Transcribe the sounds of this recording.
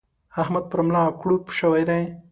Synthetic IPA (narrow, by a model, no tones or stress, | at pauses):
ahmad̪̚pəɾmlɑːkɽupu̥ʃəwajd̪aj